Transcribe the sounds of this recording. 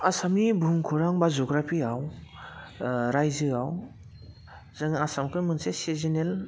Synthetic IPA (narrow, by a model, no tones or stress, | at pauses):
asamnibʱuŋkʰuɾaŋbazɔɡɾapʰiaw | ɾajzɯaw | zaŋasamkʰɯmɯnsesezinel